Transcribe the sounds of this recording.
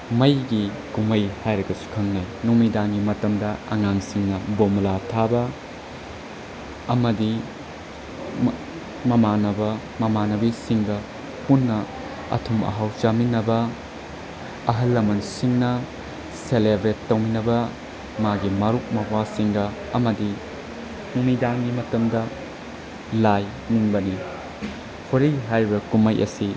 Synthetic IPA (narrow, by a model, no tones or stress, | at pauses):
mɐjɡi | kumɐjhajɾɐɡɐsu̥kʰɐŋnajnumidanɡimɐtɐmdɐɐ̰ŋaŋsiŋnɐbomɐlatʰabɐ | ɐmɐdi | mɐmanɐbɐ | mɐmanɐbisiŋɡɐ | punːɐ | ɐ̰tʰumɐ̰ɦawt͡ʃaminːɐbɐ | ɐɦɐlːɐmɐnsiŋnɐ | selebɾetːɐwminɐbɐ | maɡimɐɾuk̚mɐwasiŋɡɐ | ɐmɐdi | numidaŋɡimɐtɐmdɐ | laj | niŋbɐni | pʰuɾiɦajɾibɐkumɐjʔɐ̰si